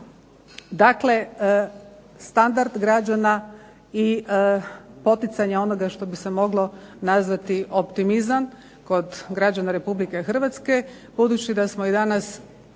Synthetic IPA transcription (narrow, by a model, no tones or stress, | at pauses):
d̪akle̞ | st̪and̪aɾd̪ɡɾad͡ʒana | i | po̞t̪it̪saɲeo̞no̞ɡaʃt̪o̞bise̞mo̞ɡlˠo̞nazʋat̪iʔo̞pt̪imizan | ko̞d̪ɡɾad͡ʑanaɾe̞publike̞xr̩ʋat̪ske̞ | b̥ud̪ut͡ɕid̪asmo̞id̪anas